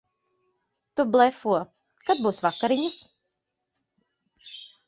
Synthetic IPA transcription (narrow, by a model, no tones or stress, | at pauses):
t̪ublˠɛfuɔ | kad̪̚buːsvakːaɾiɲas